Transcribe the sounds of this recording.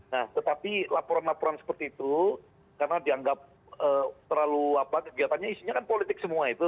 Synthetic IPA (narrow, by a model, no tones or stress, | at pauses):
naht̪ət̪apilapoɾanlapoɾansə̥pərt̪iːt̪u | karənadiaŋɡap̚ | əːt̪ərlaluapakəɡiat̪anɲaisiɲakanpolit̪ɪk̚səmuait̪u